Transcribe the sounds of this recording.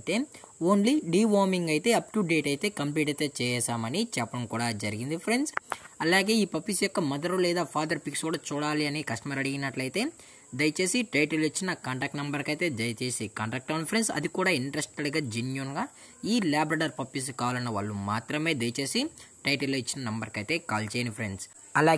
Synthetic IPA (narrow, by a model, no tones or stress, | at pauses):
t̪e̞ːoːnliɖiːʋaːmiŋɡɐjt̪e̞ːɐpʈuɖe̞ːʈɐjt̪e̞ːkɐmpliːʈɐjt̪eːt͡ʃɛːjɛːʃaːmɐnit͡ʃɛpːɐɽɐmkuːɽaːd͡ʒɐɾiɡind̪ipʰɾenɖsɐlaːɡe̞ːiːpɐpːisjɔkːɐmɐd̪ɐɾulɛːd̪aːpʰaːd̪ɐɾpikskuːɽaːt͡ʃuːɽaːliɐnikɐsʈɐmɐɾɐɽiɡinɐʈlɐjt̪e̞ː | d̪ɐjɐt͡ʃe̞ːsiʈɐjʈɐlit͡ʃːinɐkaːɳʈaːk̚ʈnɐmbɐɾkɐjt̪e̞ːd͡ʒ̪ɐjɐt͡ʃeːsikaːɳʈaːk̚ʈkaːnpʰɐɾensɐ̰d̪ikuːɽaːiɳʈɾɐsʈɐɽɡaːd͡ʒinjunɡaː | iːlaːbɾaːɖɐɾpɐpːis̬ukaːʋlɐnːɐʋa̰ːɭːumaːt̪ɾɐme̞ːd̪ɐjɐt͡ʃe̞ːsiʈɐjʈɐlːoːit͡ʃːinɐnɐmbɐɾkɐjt̪e̞ːkaːlt͡ʃeːjnɐpʰɾḛɳɖs | ɐlaː